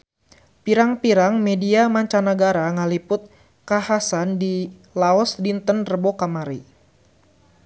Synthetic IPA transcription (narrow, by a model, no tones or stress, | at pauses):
piɾaŋpiɾaŋmɛdiamaɲt͡ʃanaɡaɾaŋalipʊt̪̚ | kahasandilaɔsdint̪ənrəbokamaɾi